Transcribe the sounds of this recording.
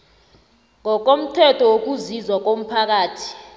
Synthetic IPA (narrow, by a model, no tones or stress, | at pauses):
ŋɔk̬om̩tʰɛtʰɔwok̬uzizwak̬om̩pʰak̬aːtʰi̥